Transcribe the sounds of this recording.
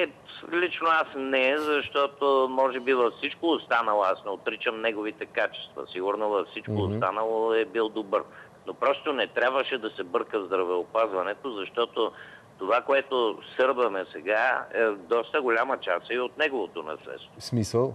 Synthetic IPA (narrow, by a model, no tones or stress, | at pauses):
ɛlit͡ʃnoasnɛzɐʃt̪ɔt̪omɔʒɛbivɐfsit͡ʃkoːst̪anɐlˠoasnɛot̪ɾit͡ʃəmnɛɡovit̪ɛkat͡ʃɛ̥st̪vɐ̰siɡʊɾnovɐfsit͡ʃkoːst̪anɐlˠoɛbilˠd̪obɤɾ | nopɾɔst̪onɛt̪ɾʲabvəʃɛd̪ɐsɛbɤɾkəvzd̪ɾɐvɛopazvɐnɛt̪ozɐʃt̪ɔt̪o | t̪ovakoɛt̪osɤɾvɐmɛsɛɡaɛd̪ɔst̪əɡolʲamət͡ʃasɛiot̪nɛɡovot̪onɐ̰slɛ̰t̪st̪vosmisəlˠ